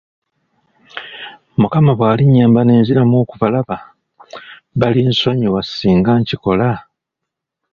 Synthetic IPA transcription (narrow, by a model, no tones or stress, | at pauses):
mukamaβwaːliɲaːmbaneːnziɾamoːkuvalaβa | βalinso̞ɲiwasiːŋɡaɲciko̞la